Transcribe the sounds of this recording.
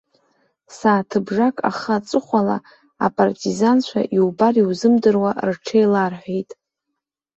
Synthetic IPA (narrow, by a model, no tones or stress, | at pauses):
saːtʰɨbʐakʼa̰χat͡sʼɨχʷala̰ | apʼartʼizant͡ʃʷʰa̰ʔiwbariwzɨmdɨrwarʈ͡ʂʰejlarħʷᶣejtʼ